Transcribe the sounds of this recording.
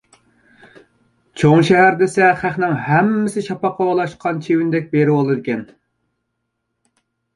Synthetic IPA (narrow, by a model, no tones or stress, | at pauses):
t͡ʃʰoŋʃɛɦæɾd̪esɛχæχnɪŋhæmːɪsɪʃɑpɑqʰɑolˠɑʃqʰɑnt͡ʃʰewynd̪ɛk̚ʲbeɾɪwolˠɨd̪ɪkʲɛn